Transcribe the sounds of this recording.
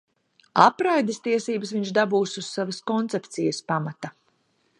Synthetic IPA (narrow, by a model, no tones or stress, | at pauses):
apɾajd̪est̪iɛsiːbəsviɲʃd̪abuːsusːavaskɔnt̪sɛpt̪sijəspamat̪a